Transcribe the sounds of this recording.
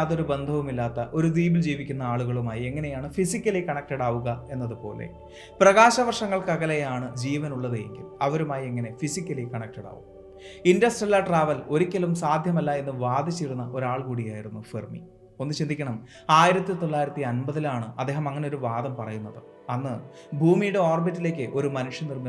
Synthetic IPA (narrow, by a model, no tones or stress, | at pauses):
ɐðo̞ɾube̞nd̪ʱɐʋumilːaːt̪ːɐʔo̞ɾud̪iːbild͡ʑiːʋikʲːunːɐaːɭuɣɐɭumaːjie̞ŋːɐne̞jaːɳɨfisikʲːɐlikɐɳɐk̚ʈɐɽaːʋuɣɐe̞nːɐðɨpo̞̰ːle̞̰ | prɐɣaːɕɐʋɐrʂɐŋːɐɭkɐɣɐlejaːɳɨd͡ʑiːʋɐnuɭːɐðɨje̞̰ŋɡḭlɐʋɐɾumaːjie̞ŋːɐne̞fisikʲːɐlikɐɳɐk̚ʈɐɽa̰ːʋṵm | indɐsʈriɐlːɐʈraːʋɐlo̞ɾikʲːɐlumsaːd̪ʱjɐmɐlːaːe̞nːɨʋaːd̪it͡ɕːiɽunːɐʔo̞ɾaːɭkuːɽijaːjiɽunːufirmḭ | o̞nːɨt͡ɕind̪ikʲːɐɳɐm | aːjiɾɐt̪ːit̪o̞lːaːjiɾɐt̪ːiɐnbɐðilaːɳɨʔɐd̪ːeːɦɐmɐŋːɐneo̞ɾuʋaːd̪ɐmpɐrɐ̰junːɐðɨ | ɐnːɨ | bʱuːmijuɽeoːrbitːile̞ːk̬ʲːɨʔo̞ɾumɐnuʂjɐnirmi